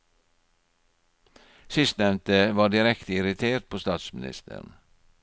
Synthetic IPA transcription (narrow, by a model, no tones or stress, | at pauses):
sɪst̪nɛʋnt̪əʋɑːɖɪɾɛkt̪ʰəɪɾɪt̪ʰeːɾt̪̚pʰoːst̪ɑːt̪smɪnɪ̰st̪ə̰n̩